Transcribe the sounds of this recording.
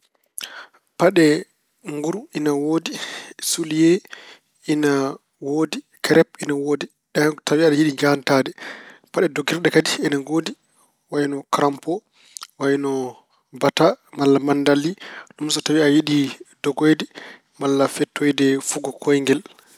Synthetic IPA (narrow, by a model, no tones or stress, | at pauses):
paɗɛ | ŋɡuɾuinawoːdisulije | ina | woːdi | kɛɾɛpinawoːdi | ɗɛtawiaɗajiɗid͡ʒantadɛpaɗɛdɔɡiɾɗɛkadiinaɡodi | wajnɔkɾampɔ | wajnɔ | batamalːamandaliɗumsɔtawiajiɗidɔɡɔjdɛ | malːafɛtːɔjdɛfuɡɔkʰɔjŋɡɛl